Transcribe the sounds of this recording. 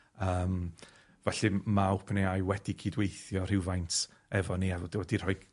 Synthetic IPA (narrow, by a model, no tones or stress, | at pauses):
əːm | vɛɬɪmawpʰneajwɛd̥ikʰiːdwejθjɔr̥ɪwvajntʰ | ɛvɔniawdwɛdir̥ɔɨɡ̥